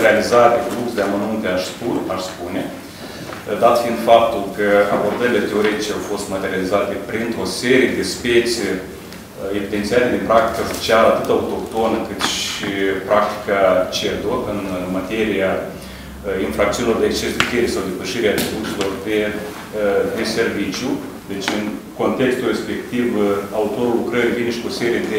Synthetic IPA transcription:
ɾealizatd̪efluksd̪eamanunt̪eaʃst̪ularspune̞ | d̪at̪fiːnd̪fap̚t̪ulkəabo̞rd̪əɾilet̪e̞o̞ɾe̞t̪it͡ʃeawfo̞st̪mat̪e̞ɾializat̪e̞pɾint̪o̞se̞ɾije̞d̪e̞spe̞t̪sʲie | evid̪e̞nt̪sialed̪epɾak̚t̪i̥kaso̥t͡ʃialəat̪ɨt̪aut̪o̞kt̪o̞nəkɨt̪ʃipɾak̚t̪i̥kat͡ʃed̪oɨnmat̪e̞ɾija | infɾakt̪unilo̞rd̪ekst͡ʃesd̪ek̪ʲeɾesawd̪e̞pəʃiɾeaɾesurse̞lo̞rd̪e | d̪e̞se̞rvit͡ʃju | d̪e̞t͡ʃʲɨnko̞nt̪e̞kst̪ure̞spe̞kt̪ivaut̪o̞ɾulːukɾəɾivineʃi̥kuose̞ɾije̞d̪e

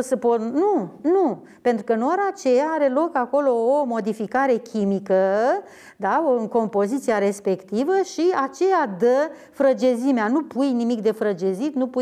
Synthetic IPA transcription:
səpot̪nunu | pe̞nt̪ɾukəɨnoɾat͡ʃe̞jaaɾe̞lo̞kako̞lo̞ːmo̞d̪ifikaɾe̞kʲʰimikə | d̪aoŋko̞mpo̞zit̪siaɾe̞spe̞kt̪ivəʃiat͡ʃe̞jad̪ə | fɾəd͡ʒezimeanupujnimikd̪e̞fɾəd͡ʒezit̪nupu

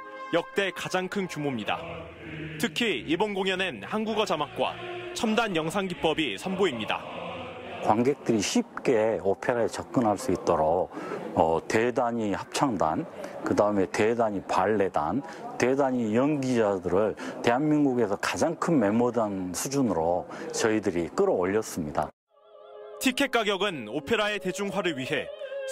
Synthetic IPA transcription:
jʌk̚t͈e̞kad͡ʑaŋkʰɯnt͡ɕumomɲida̰ | tʰɯkʰiibonɡoŋjʌnenhanɡuɡʌd͡ʑamak̚k͈wa̰t͡ɕʰʌmdanjʌŋsʰaŋɡip͈ʌbisʰʌnboimɲida̰ | kwanɡe̞k̚t͈ɯɾiɕʰip̚k͈e̞opʰeɾaet͡ɕʌp̚k͈ɯnɦaɭs͈uit̚t͈ʌɾoʌte̞daɲihap̚t͡ɕʰaŋda̰nkɯdaɯme̞te̞daɲipaɭːe̞da̰n | te̞daɲijʌnɡid͡ʑadɯɾɯɭte̞ɦanminɡuɡe̞sʰʌkḁd͡ʑaŋkʰɯnme̞mʌdansʰud͡ʑunɯɾot͡ɕʌidɯɾik͈ɯɾʌːʎːʌs͈ɯmɲida̰ | tʰikʰe̞k͈̚aɡjʌɡɯnopʰe̞ɾae̞ted͡ʑuŋɦwaɾɯɭɥiɦe̞

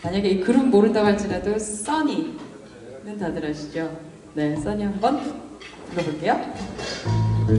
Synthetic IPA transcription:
maɲaɡe̞ikɯɾʌmmoɾɯntdaɡaɭt͡ɕ͈iɾados͈ʌɲi | nɯntadɯɾaɕʰid͡ʑo | ne̞s͈ʌɲiɦambʌn | kɯɡʌboɭk͈e̞jo

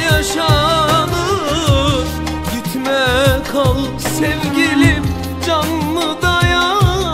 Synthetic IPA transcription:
jaʃalɯ | ɟit̪ʰmɛkʰalˠɯpsɛvɟilip | d͡ʒanlˠɯd̪aja

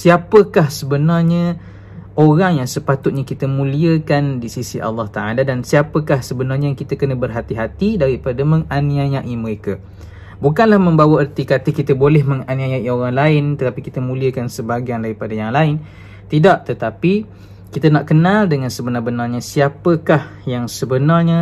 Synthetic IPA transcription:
siapəkahsəbənarɲə | oɾaŋjaŋsəpat̪ʊt̪̚ɲakit̪əmũliəkandisisiʔɑ̰lːɑht̪aaladansiapəkahsəbənarɲəkit̪akənəbərɦat̪iɦat̪idaɾipadaməŋaniajaʔiməɾeka | bukanlahmə̃mbawaərt̪ikat̪ikit̪əbolɛɦməŋaniajaʔioɾaŋlaɪnt̪ət̪apikit̪əmũliəkansəbaɡiandaɾipadajaŋlaɪn | t̪idaʔt̪ət̪api | kit̪anaʔkənaldəŋãnsəbənabənarɲasiapəkah | jaŋsəbənarɲə

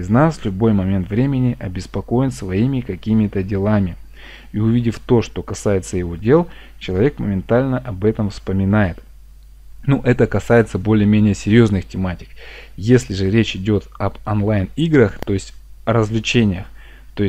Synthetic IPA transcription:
ɪznasvlʲʊbo̞jmɐmʲe̞nt̪vɾʲemʲɪnʲɪʔɐbʲɪspɐko̞jɪnsvɐimʲɪkɐkʲimʲɪt̪ədʲɪlˠamʲɪ | iʊvʲidʲɪft̪o̞ʂt̪o̞kɐsajɪt̪səjɪvo̞dʲe̞lˠ | t͡ɕɪlˠɐvʲe̞kməmʲɪnt̪alʲnəʔɐbɛt̪əmfspəmʲɪnajɪt̪ | nuʔɛt̪əkɐsajɪt̪səbo̞lʲɪjəmʲenʲɪjəsʲɪɾʲjo̞znɨxtʲɪmatʲɪ̥kjesʲlʲɪʐɨɾʲet͡ɕɪdʲo̞t̪ɐbɐnlˠajniɡɾəxt̪o̞ɪsʲtʲɐɾəzlʲɪt͡ɕenʲɪjəx | t̪o̞ɪ

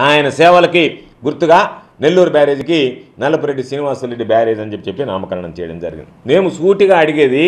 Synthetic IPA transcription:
aːjɐnɐsɛːʋɐlɐki | ɡuɾt̪ːuɡaː | ne̞lːuːɾubaːɾe̞ːd͡ʒukinɐlɐpuɾeɖːisiːniʋaːsulːeɖibaːɾe̞ːd͡ʒɐɲd͡ʒepːi̥t͡ʃepːina̰ːmɐkɐlɐɳɐmt͡ʃɛ̰jɐɽɐ̰md͡ʒɐ̰ɾiɡḭnd̪ine̞ːmusuːʈiɡaːɐɽiɡeːd̪i

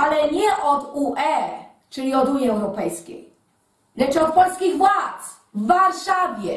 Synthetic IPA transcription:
alɛɲɛʔɔd̪uʔɛ | t͡ʂɘlʲiɔd̪uɲiɛwɾɔpɛjskʲḛj | lɛt͡ʂɔt̪̚pɔlskʲiɣvwat̪s | vːaɾʂavʲjɛ

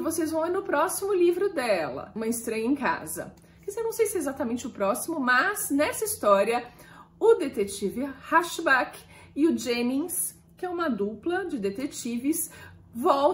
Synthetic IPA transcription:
vosezvɐ̃w̃iɾnʊpɾɔsimʊlivɾʊd̪ɛlɐ̰ũmɐɪst̪ɾɐ̃jɐẽka̰zɐ̰ | kɪzɛnɐ̃w̃sejsɪɛezat̪ɐmẽnt͡ʃɪʊpɾɔsimʊmɐznɛsɐist̪ɔɾiɐ | ʊd̪et̪et͡ʃivɪhaʃbak | ɪʊd͡ʒemĩs | kɪɛũmɐd̪uplɐd͡ʒɪd̪et̪et͡ʃivɪs | vɔw

